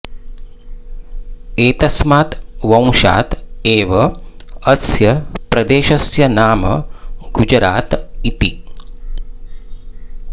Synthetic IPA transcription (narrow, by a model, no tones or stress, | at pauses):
eːt̪ɐsmaːt̪ʋɐ̃w̃ʃa̰ːt̪eːʋɐɐsjɐpɾɐd̪eːʃɐsjɐnaːmɐ̰ɡud͡ʒɾʔaːt̪it̪i